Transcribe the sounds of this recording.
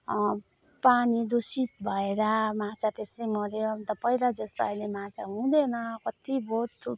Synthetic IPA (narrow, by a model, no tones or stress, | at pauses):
panid̪osit̪̚bʱʌeɾamat͡sʰat̪esʌjmʌɾeoʌbʌnt̪ʌpʌjɾad͡zʌst̪oajlemãt͡sʰa̰ɦũd̪enʌkʌt̪ibʱot̪ː